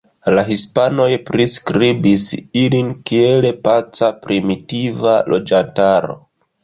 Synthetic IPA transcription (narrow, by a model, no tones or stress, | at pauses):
laɦispano̞jpɾiskɾibisilinkie̞le̞pat͡sapɾimitivalo̞d͡ʒantaɾo̰